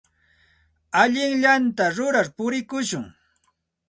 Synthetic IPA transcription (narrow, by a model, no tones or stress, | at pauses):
aʎɪŋʎant̪aɾʊɾaɾpʊɾɪkʊʃʊŋ